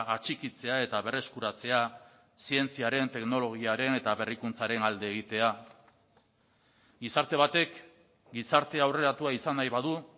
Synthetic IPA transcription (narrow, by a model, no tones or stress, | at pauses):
at͡ʃikit͡se̞ae̞t̪aβe̞re̞skuɾat͡se̞a | sie̞nt͡siaɾe̞nt̪e̞kno̞lo̞ɣ̞iaɾe̞ne̞t̪aβe̞rikunt͡saɾe̞nald̪e̞ːɣ̞it̪e̞a | ɡisaɾt̪e̞β̞at̪e̞k | ɡisaɾt̪e̞awre̞ɾat̪uaisanajβaðu